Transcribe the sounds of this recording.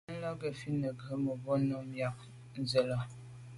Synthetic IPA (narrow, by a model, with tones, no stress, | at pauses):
n̩˦lɔ˦ɡe˨fi˦nə˨ɡə˦mo˨bo˦no˦mja˦k̚ | n̩˦zə˨lɔ˦